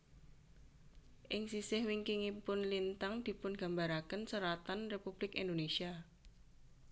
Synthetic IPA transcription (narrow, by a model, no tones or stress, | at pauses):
ʔɪŋsisɪhwiŋkiŋipʊnlint̪aŋd̪̥i̤pʊnɡ̥a̤mbaɾakənsəɾat̪anrepub̥lɪkend̪onesia